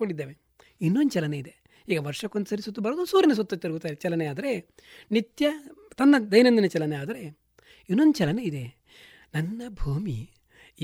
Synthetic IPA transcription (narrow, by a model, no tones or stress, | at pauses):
koɳɖid̪ːeːʋe | inːond̪ut͡ʃɛlɐneid̪e | iːɡɐʋɐɾʂɐkond̪sɐɾisot̪ːubɐɾɐd̪usuːɾinɐs̬ot̪ːɐt̪ɐɾɐɡut̪aːjiɾt͡ʃɛlɐneaːd̪ɐɾe | nit̪jɐt̪ɐnːɐd̪ɐjnɐnd̪inɐt͡ʃɛlɐneaːd̪ɐɾe̞ | inːond̪ut͡ʃɛlɐneid̪e̞ | nɐnːɐbʱuːmḭ